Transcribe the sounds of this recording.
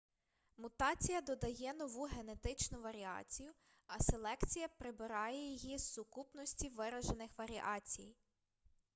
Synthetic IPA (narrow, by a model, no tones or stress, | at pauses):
mʊt̪ɑt͡sʲijɐd̪ɔd̪ɐjɛnɔʋuɦe̞ne̞t̪ɪt͡ʃnʊʋɐɾʲiɑ̰t͡sʲijʊ | ɐselˠɛkt͡sʲijɐpɾɪbɪɾɑjɛjijizːʊkupnɔsʲtʲiʋɪɾɐʒenɪxʋɐɾʲiʔɑt͡sʲij